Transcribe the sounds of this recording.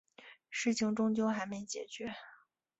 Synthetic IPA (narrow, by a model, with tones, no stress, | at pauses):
ʂɻ̩˥˩t͡ɕʰi˧˥ŋʈ͡ʂʊ˥ŋt͡ɕjo˥ʊxa˧˥ɪme˧˥ɪt͡ɕjɛ˨˩t͡ɕɥɛ˧˥